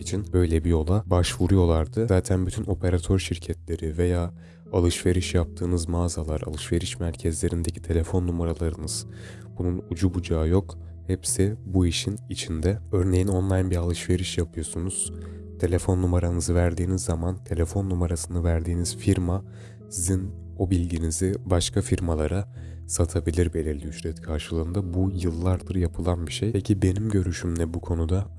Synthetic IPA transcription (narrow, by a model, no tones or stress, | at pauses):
it͡ʃʰinbø̞jlʲebijo̞lˠabaʃvuɾujo̞lˠaɾd̪ɯzaːt̪ʰænbyt̪ʰynʔo̞pʰe̞ɾat̪ʰø̞ɾʃiɾcʰɛt̪lʲe̞ɾive̞jaː | alˠɯʃve̞ɾiʃjap̚t̪ʰɯːnɯzmaːzalˠaɾa̰lˠɯʃve̞ɾiʃmæɾcʰɛzlʲe̞ɾind̪e̞cʰi̥t̪ʰe̞lʲefo̞nːumaɾalˠaɾɯnɯz̥ | bununud͡ʒubud͡ʒaːjo̞k | hɛpsibuiʃinit͡ʃʰind̪ɛø̞ɾne̞jino̞nlˠajnbiɾalˠɯʃve̞ɾiʃjapʰɯjo̞sunuz̥ | t̪ʰe̞lʲe̞fo̞nːumaɾanɯzɯvæɾd̪iːnizːamant̪ʰe̞lʲe̞fo̞nːumaɾasɯnɯvæɾd̪iːniz̥fiɾma | sizin | o̞bilʲɟinizibaʃkʰafiɾmalˠaɾa | sat̪ʰabilʲiɾbe̞lʲiɾlʲiyʃɾɛt̪kʰaɾʃɯlˠɯːnd̪abujɯlˠːaɾd̪ɯɾjapʰɯlˠanbiʃejpʰecʰibe̞nimɟø̞ɾyʃymlɛbukʰo̞nud̪a